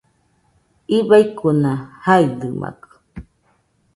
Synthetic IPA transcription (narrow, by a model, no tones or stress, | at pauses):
iβajkunãhaid̪ɨmʔa̰kɨ̥